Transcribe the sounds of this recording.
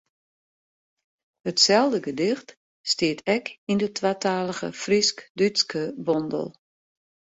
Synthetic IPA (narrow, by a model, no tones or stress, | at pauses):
hətsɛlˠdəɡədɪxt | stɪətʰɛkindətʰwatʰaːləɣə̰friskdyskəbɔndə̰lˠ